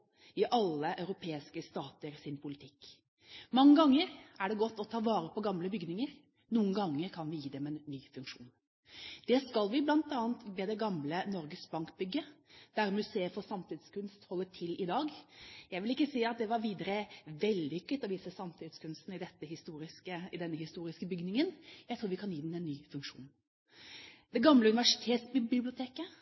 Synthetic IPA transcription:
ɪʔɑlːəʔœʉɾʊpʰeːɪskəst̪ɑːt̪əɾsɪnpʰʊlɪt̪ʰɪkː | mɑŋːəɡɑŋːəɾæɖɛɡɔt̪ːɔt̪ʰɑːʋɑːɾəpʰɔɡɑmləbʏɡnɪŋəɾ | nuːənɡɑŋːəɾkʰɑnʋɪjiːd̪ɛmɛnːyːfʉŋkʂuːn | d̪̥ɛskɑlʋɪblɑnt̪ɑːənt̪ʋeːd̪ɛɡɑmlənɔɾɡəsbɑŋkbʏɡːəd̪̥æɾmʉseːəfɔsɑmt̪ʰɪd̪skʉnst̪hɔlːəʈʰɪlɪd̪ɑːɡjæɪʋɪlɪkːəsiːɑt̪̚d̪ɛʋɑɾʋiːd̪əɾəʋɛld̪d̪ɪʏkːət̪ɔʋiːsəsɑmt̪ʰɪd̪skʰʉnst̪n̩ɪd̪ɛt̪ːəhɪst̪uːɾɪskəɪd̪ɛnːəhɪst̪uːɾɪskəbʏɡnɪŋənjæɪt̪ʰɾuːʋɪkʰɑnjiːd̪ɛmɛnːyːfʉŋkʂuːn | d̪ɛɡɑmləʉnɪʋæʂɪ̥t̪ʰeːt̪sbɪbɪblɪʊt̪ʰeːkə

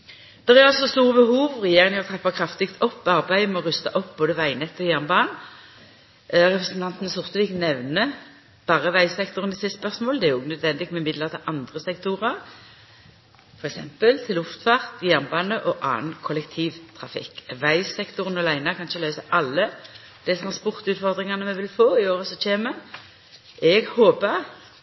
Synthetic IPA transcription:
d̪̥ɛʁæʁɑlsɔst̪uːʁəbəhuːʋʁɛjeːʁɪŋəɔt̪ʰʁɛpːɑkʰʁɑft̪ɪkt̪ʰɔpːɑʁbæɪmɛɔʁʉst̪ɑʔɔp̚boːd̪əʋæɪnɛt̪ːɔjæʁnbɑːn | ʁɛpʁɛsn̩t̪ʰɑnt̪nəsʊʁt̪əʋiːknɛʋnə | b̥ɑːʁəʋæɪsɛkt̪ʊʁənəsɪspœʁsmoːld̪ɛæɛʁʊɡənœd̪ʋɛnd̪ɪɡ̪mɛɪmɪd̪ləʁt̪ʰɪlʔɑnd̪ʁəsɛkt̪uːʁɑʁ | fɔɾʁɛksɛmpəlt̪ʰɪlʊft̪fɑʁt̪ɡjæʁnbɑːnəʔɔʔɑ̰ːnkʰʊlɛkt̪ʰiːʋt̪ʰʁɑfɪ̰kːʋæɪsɛkt̪ʊʁənɔlæɪnɑkʰɑnʃəlœʏsəʔɑlːə | d̪̥ɛt̪ʰʁɑnspʊʁt̪ʉːt̪fɔʁd̪ʁɪŋɑnəmɛʋɪlfoːɪoːʁəsɔt͡ʃʰeːmə | ɛɡhoːpəʁ

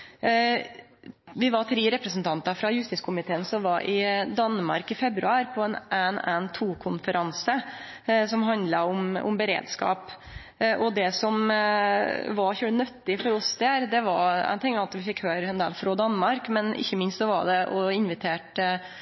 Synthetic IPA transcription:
ʋɪʋɑɾt̪ʰɾiːɾɛpɾəsn̩t̪ʰɑnt̪ɑfɾɑjʉst̪ɪskʰʊmɪt̪ʰeːənsɔmʋɑɾʔɪd̪ɑnːmɑ̰ɾkɪfɛbɾʉ̰ɑːɾpʰɔɛnʔænænt̪ʰuːkʰʊnfəɾʔɑnsə | sɔmɦɑnd̪lɑʊmʊ̰mbəɾḛːd̪skɑ̰ːp | ʔɔd̪ɛsɔm | ʋɑɾçʉːənœt̪ːɪfɔɾɔsd̪æːɾd̪ɛʋɑɾæ̰t̪ʰɪŋɑt̪ʋɪfɪkhøːɾɛnd̪eːlfɾoːd̪ɑnmɑɾkmɛnʔɪ̰çːəmɪnst̪sɔʋɑ̰ɖ̪ɛʔɔɪnʋɪt̪ʰeːʈ

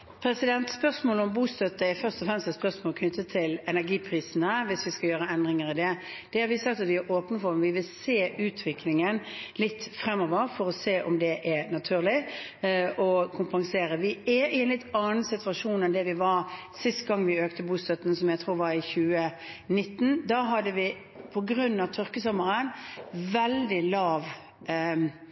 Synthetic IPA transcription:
pʰɾɛsɪd̪ɛnt̪spœsmoːləɔmbuːst̪œt̪ːəɛfœʁst̪ɔfʁɛmst̪ɛt̪spœʁsmoːlkʰnʏt̪ːət̪ʰɪlɛnæɾɡiːpʰɾiːsən̩əʋɪsʋɪskɑjøːɾəɛnd̪ɾɪŋəɾɪd̪ɛd̪̥ɛhɑɾʋɪsɑkt̪ɑt̪ʋɪɛɾʔoːpnəfɔɾʋɪʋɪlseːʔʉːt̪ʰʋɪkʰlɪŋənlɪt̪ːfɾɛmːɔʋəɾfɔɾɔseːʔɔ̰md̪ɛʔɛnɑt̪ʰʉːʁlɪ | ʔɔkʰʊmpɑŋseːɾəʋɪæɪɛnlɪt̪ːɑːnn̩sɪt̪ʉɑʂuːnɛnd̪ɛʋɪʋɑɾsɪst̪ɡɑŋːʋɪøːkt̪əbuːst̪œt̪ːn̩sɔmjæɪt̪ʰʁuːʁʋɑɾɪçʉːə | nɪt̪ːn̩d̪ɑːɦɑd̪əʋɪ | pʰɔɡɾʉnːɑʋt̪ʰʏʁkəsɔməɾənʋɛld̪ɪlɑːʋ

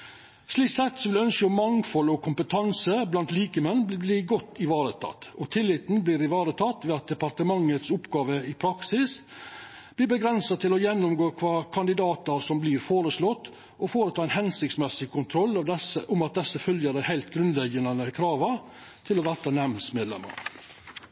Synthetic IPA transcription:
sliːkt̪sɛt̪sɔʋɪld̪ɛœnskəɔmːɑŋfɔlːɔkʰʊmpət̪ʰɑnsəblɑnt̪liːkəmɛnːbbliːɡɔt̪ːɪʋɑːɾət̪ʰɑ̰t̪ːɔt̪ʰɪlːɪt̪n̩bliːɾɪʋɑːɾət̪ʰɑt̪ːʋeːɑt̪̚d̪ɛpɑɾt̪əmɑŋːət̪sʊpɡɑːʋəɪpʰɾɑksɪs | b̥liːbəɡɾɛnsɑt̪ʰɪlɔjɛnːʊmɡoːkʰʋɑːkʰɑnd̪ɪd̪ɑːt̪ɑɾsɔmbliːɾfoːɾəslɔt̪ː | ʔɔfoːɾət̪ʰɑːɪnhɛnsɪktsmɛsɪkʰʊnt̪ʰɾɔlːɑʋɛsəʔʊmɑt̪̚d̪ɛsːəfœljəd̪æɪhæɪlt̪ɡɾʉnd̪lɛɡənɑnəkʰɾɑːʋɑ | t̪ʰɪlɔʋæt̪ɑnɛmnsmeːd̪lɛ̰mːə̰ɾ

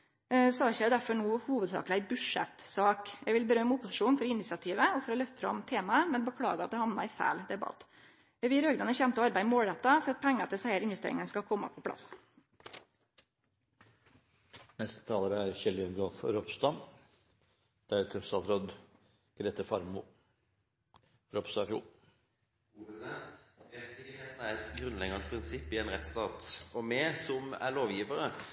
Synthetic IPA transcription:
sɔɑɪçəjæɪd̪æɾfɔɳuːhuːʋəd̪sɑ̰ːkəlæɪbʉʂɛ̰t̪sɑːkjɛɡʋɪlbəɾœmʊpːʊsɪʂuːnfɔɾɪnːɪt̪sɪɑt̪ʰiːʋəɔfɔɾɔlœft̪fɾɑ̰mt̪ʰeːmɑəmɛnbəkʰɽɑ̰ːɡəɑt̪̚d̪ɛhɑʋnɑɪfæ̰ːld̪ɛbɑ̰t̪ | ʋɪɾøːɡd̪ɑnəçɛmt̪əɔɑɾbæɪmoːlɾɛt̪ːɑfɔɾɑt̪̚pʰɛŋːəɑt̪d̪ɛsæɪəɾɪnʋɛst̪ḛːɾɪŋənskɑkʰɔmːə̰pʰɔpʰɽɑ̰s | nɛst̪ə̥t̪ʰɑːləɾəæɾçɛlɪənɡɔːfɾɔpst̪ɑm | d̪̥ææɾt̪ʰœsɑsɾɔd̪ | ɡ̥ɾeːt̪əfɑɾmʊ | ɾɔpst̪ɑfṵː | heːt̪n̩æɾɛt̪ɡɾʉnlɛɡənspʰɾɪnsɪpːɪɛnʁɛt̪st̪ɑːt̪ɔmɛːsɔmæ̰ɭoːʋjiːʋəɾə

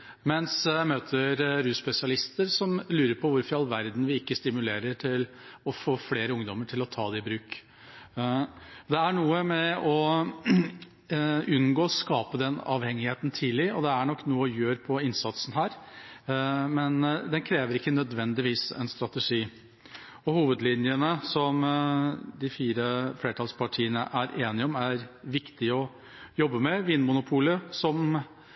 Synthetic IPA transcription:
mɛnsjæmøːt̪ʰəɾɾʉːspɛsɪɑlɪst̪əɾsɔmlʉːɾəɾpʰɔʋʊɾfɑlʋæɾd̪n̩ʋɪɪkːəst̪ɪmʉleːɾəʈʰɪl | ɔfoːfleːɾəʊŋd̪ɔmːəʈʰɪlɔt̪ʰɑːd̪ɛɪbɾʉːk | d̪ɛæɳuːəmɛɔ | ʉnɡoːskɑːpəd̪ɛnɑ̰ːʋhɛŋːɪheːt̪nt̪ʰiːlɪɔd̪ɛæɳɔkːnuːəɔjøːɾpʰɔɪnsɑt̪sn̩ɦæːɾ | mɛnd̪ɛnkʰɾeːʋəɾɪkːənœd̪ʋɛnd̪ɪʋiːsɛ̰nst̪ɾɑt̪ɛʂiː | ɔhuːʋəd̪lɪnjənəsɔm | d̪ɪfiːɾəfleːʈʰɑlspʰɑʈʰiːənə̰ʔæɾʔeːnɪɔmæɾʋɪkt̪ɪɔ | jɔbːəmɛʋinmʊnʊpʰuːləsɔm

